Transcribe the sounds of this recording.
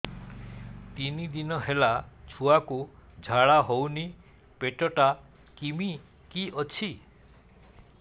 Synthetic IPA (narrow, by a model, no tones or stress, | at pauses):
t̪inid̪inɔɦelat͡ʃʰuakud͡ʒʱaɭaɦowni | peʈɔʈa | kimi | kiɔt͡ʃʰi